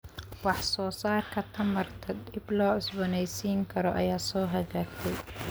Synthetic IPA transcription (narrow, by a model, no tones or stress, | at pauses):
wɑħsɔːsaːrkʰɐt̪ʰɐmɐrt̪ʰɐd̪ɪblɔːʕʊsbɔnɛjsiːŋkʰɐɾɔʔɐ̰jaːsɔːɦɐɣaːɡt̪ʰɛj